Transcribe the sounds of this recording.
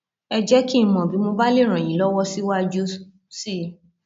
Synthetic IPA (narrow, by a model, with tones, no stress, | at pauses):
ɛ˧d͡ʒɛ˦ki˦˨mɔ̃˨bi˨˦mo˧ba˦le˦˨ɾ̃ã˨j̃ĩ˨lɔ˦wɔ˦si˦wa˦d͡ʒu˦ | si˦